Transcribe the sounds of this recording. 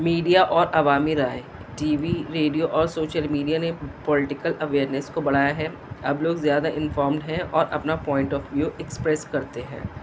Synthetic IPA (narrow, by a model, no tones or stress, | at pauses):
miːɖijaʔɔːɾʔɐʋaːmiɾaːe | ʈiːʋiɾeːɖijoʔɔːɾsoːʃəlmiːɖijanepɔlɪʈɪkəlɐʋeːɾnɛskobɐɽ̤aːjaɦɛ | ɐbloːɡzjaːd̪aʔɪ̃nfɔːɾmɖɦɛ̃ʔɔːɾʔɐ̰pnapɔːɪ̃ɳʈɔːfʋjuːʔɛkspɾɛskɐɾt̪eɦɛ̰̃ː